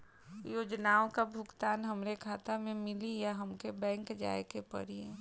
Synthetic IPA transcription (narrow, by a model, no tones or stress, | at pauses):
joːd͡ʒnaːõkabʱʊɡt̪aːnɦəmɾekʰaːt̪amẽmɪlijaɦəmkebɛ̃ːŋkd͡ʒa̰ːekepə̰ɾie